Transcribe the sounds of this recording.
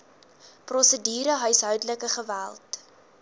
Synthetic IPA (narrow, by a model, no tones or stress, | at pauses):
prɔsədiːɾəɦœjsɦœɥdələkəχəvælˠt